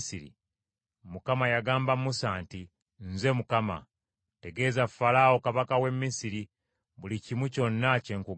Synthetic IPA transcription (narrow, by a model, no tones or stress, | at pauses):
siɾḭ | mukamajaɡaːmbamusaːnti | nze̞mukama̰ | te̞ɡe̞ːzafalaokaβakawe̞mːisiɾi | βulicimwuco̞nːace̞ːŋku